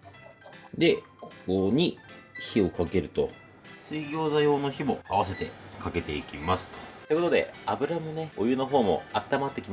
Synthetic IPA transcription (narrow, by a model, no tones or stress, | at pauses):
d̪e̞ | kʰo̥koɲ̟içio̞kake̞ɾɯ̟t̪o̞ | sɨiɡʲo̞ːzajo̞ːno̞çimo̞aβas̬e̞t̪e̞kake̞t̪e̞ikʲimasɨ̥t̪o̥t̪oi̟kot̪o̞d̪e̞̰abɯ̟ɾamɯ̟ne̞ojɯ̟no̞ɦo̞ːmo̞̰at̪ːamat̪ːe̞kʲima